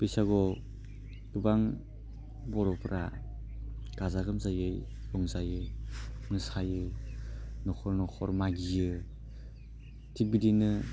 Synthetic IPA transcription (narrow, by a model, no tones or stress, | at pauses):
pisaɡɔ | dubaŋ | bɔɾɔpʰɾʔa | ɡ̥azaɡɯmzajɯj | jɔŋzajɯmɯsajɯ | nɔkʰɔɾnɔkʰɔɾmaɡijɯ | tʰibidinɯ